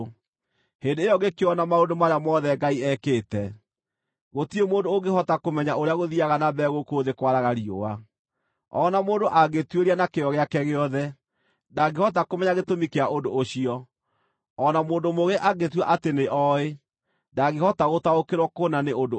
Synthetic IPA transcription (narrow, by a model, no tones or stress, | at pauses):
hendeːjɔɣɡekeɔnamaondomaɾeamɔðɛɡaiɛkeːtɛ | ɣotiemoːndoːɡehɔtakomɛɲaoɾeaɣoðiaɣanabɛɣokoðekwaɾaɣaɾio̰wa | ɔnamoːndoʔaɡetweɾianakeɔɣeakɛɣeɔðɛ | daɡehɔt̬akomɛɲaɣetomikeaʔondooɕiɔ | ɔnamoːndomoɣeʔaɡetwaʔateneʔɔe | ndaɣehɔtaɣotaokeɾwɔkonaneod